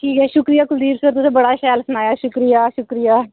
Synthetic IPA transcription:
kiːkɛːʃʊkɾijaːkʊld̪iːɾsəɾt̪ʊsẽːbəɽaːʃɛːlsʊnaːjaːʃʊkɾijaːʃʊkɾijaː

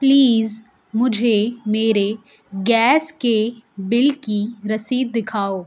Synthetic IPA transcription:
pliːz | mʊd͡ʒʱemeːɾe | ɡɛːskebɪlkiɾɐsiːd̪̚ːɪkʰaːoː

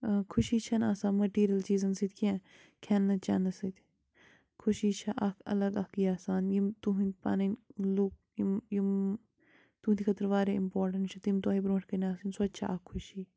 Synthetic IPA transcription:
kʰuʃiːt͡ʃʰɐnaːsaːnmɐʈiːɾijɐlt͡ʃiːzɐnsit̪̚ʰʲkʰã | kʰɛnːɐt͡ʃɐ̰nɐsɐt̪ʲ | kʰuʃiːt͡ʃʰɐʔɐkʰɐ̰lɐɡɐkiːaːsaːnjimt̪uɦinpa̰nɐnluk̚jimjim | t̪uːnt̪ʰikʰɐt̪ɾʋaːɾeimpoːɾʈɐɳʈt͡ʃʰɐt̪imt̪uaːɦibɾõːʈʰʲkɐnʲaːsinʲsoɐt̪ːt͡ʃʰaʔɐkʰːuʃiː

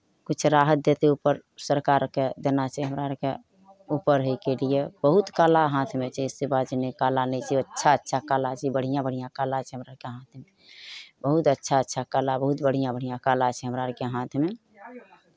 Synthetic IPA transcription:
kut͡ʃʰɾaɦət̪̚d̪et̪eupəɾsəɾkaɾked̪enat͡ʃʰiɦəmɾaɾke | upəɾɦəjkelijebəɦut̪kalaɦãt̪ʰmet͡ʃʰɛisibad͡ʒinekalanɛjt͡ʃʰɛətːʃʰaətːʃʰakalat͡ʃʰɛbəɽ̤ijãbəɽ̤ijãkalat͡ʃʰɛɦəmɾaɾkeɦãt̪ʰme | bəɦut̪ətːʃʰaətːʃʰakalabəɦut̪bəɽ̤ijãbəɽ̤ijãkalat͡ʃʰɛɦəmɾaɾəkeɦãt̪ʰme

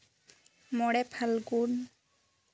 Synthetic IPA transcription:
mɔɽɛpʰalɡun

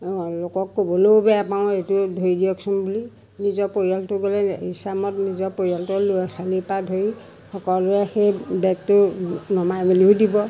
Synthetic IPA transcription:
lokɔkːobɔlobɛapnaʊ̃etudʱoidiɔksɔnbuli | nizɔpojaltʊɡɔlɛisamɔtnizɔpojaltɔloasalipadʱoi | xɔkɔluɛxejbɛk̚tʊnɔmajmiliudibɔ

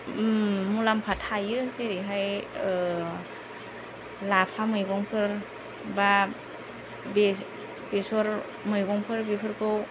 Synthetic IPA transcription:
mulampʰatʰajɯseɾiɦaj | lapʰamɯjɡɔŋpʰɯɾ | ba | be | besɔɾ | mɯjɡɔŋpʰɯɾbepʰɯɾkɯw

